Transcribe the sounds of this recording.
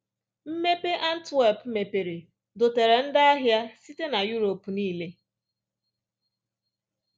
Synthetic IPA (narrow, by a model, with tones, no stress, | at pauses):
m̩˦me˦pe˦ʔa˦n̩˦twe˦˨pme˨pe˨ɾe˨ | do˨te˨ɾe˨n̩˦da˦a˦ɦja˦si˦te˦na˨ju˦ɾo˨pu˨niː˦le˦